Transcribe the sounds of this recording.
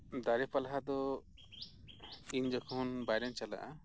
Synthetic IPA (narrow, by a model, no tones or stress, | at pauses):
d̪aɾɛpalaɦad̪ɔ | iɲd͡ʒɔkʰuɦunbajɾant͡ʃala̰ʔa